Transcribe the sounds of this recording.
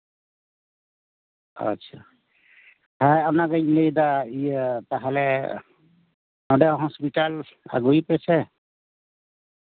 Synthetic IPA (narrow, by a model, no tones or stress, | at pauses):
a̰sʰa | hajapnaɡaɲilejdaitaɦɛlɛ | nɔdɛɦɔspitala̰ɡujpɛsɛ